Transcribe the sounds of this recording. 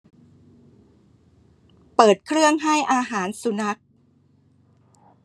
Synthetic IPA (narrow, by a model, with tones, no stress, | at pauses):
pɤː˨˩t̪̚kʰɾɯ˥˩əŋɦa˥˩jʔaː˧ɦaː˩˦nsu˧˦na˦˥k̚